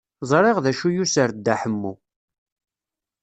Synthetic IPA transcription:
zˤɾˤeʁðæʃujusəɾd̪ːaħəmːṵ

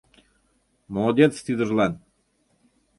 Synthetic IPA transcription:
molˠod̪ʲet̪st̪yd̪ɤ̆rlˠɑn

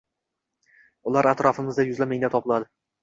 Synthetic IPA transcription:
ʊlaɾat̪ɾɒfɪmɪzd̪ajʊzlameŋʲd̪at̪ʰɒpɪlˠad̪ɪ

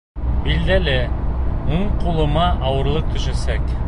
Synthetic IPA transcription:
bild̪ælɘ | uɴqulˠɤ̆mɑʔɑwɤ̆ɾlˠɤq̚t̪ɵ̆ʃæsæk

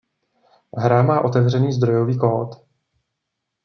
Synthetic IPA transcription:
ɦɾamaːʔo̞t̪ɛvr̝ɛniːzd̪ɾo̞jo̞viːkoːt̪

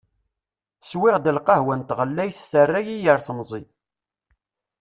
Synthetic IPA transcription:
swɪʁd̪əlqɑhwænt̪ʁəlːæjθθərːæjijəɾθəmzˤi

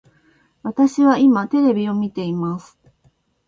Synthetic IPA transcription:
βat̪aɕiβaimat̪e̞ɾe̞bʲio̞mʲit̪e̞imasɨ̥

